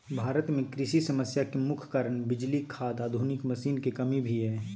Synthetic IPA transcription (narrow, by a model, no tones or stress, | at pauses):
bʱaːɾət̪mẽkɾɪʃisɐməsjakemʊkʰkaɾəɳ̃bɪd͡ʒlikʰaːd̪aːd̪ʱunɪkmɐsiːnkekɐmibʱiɦɛː